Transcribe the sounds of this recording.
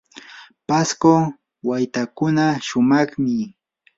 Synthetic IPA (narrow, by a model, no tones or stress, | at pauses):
pasko | wajt̪akʊnaʃʊmɑχmɪ